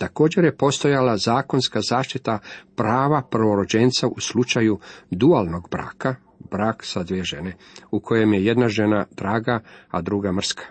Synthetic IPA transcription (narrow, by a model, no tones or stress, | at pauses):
t̪ako̞ːd͡ʑe̞ɾje̞po̞st̪o̞jalazaːko̞nskazaːʃt̪it̪apɾaːʋapr̩ʋo̞ɾo̞d͡ʑent̪saʔuslˠut͡ʃajud̪ualˠno̞ɡbɾa̰ːka | bɾaːksad̪ʋieʒe̞ne̞ | ukʰo̞je̞mje̞je̞d̪naʒe̞nad̪̥ɾaːɡaad̪ɾuɡamr̩skʰḁ